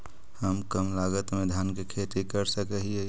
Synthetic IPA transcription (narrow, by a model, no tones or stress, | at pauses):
həmkəmlaːɡət̪mẽd̪ʱjaːnkekʰeːt̪ikəɾsəkəɦie